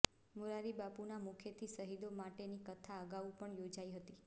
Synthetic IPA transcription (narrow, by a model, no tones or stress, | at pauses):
muɾaɾibapunamukʰjet̪ʰisəɦid̪omaʈenikət̪ʰaəɡaʋũpəɳjod͡ʒaiɦət̪i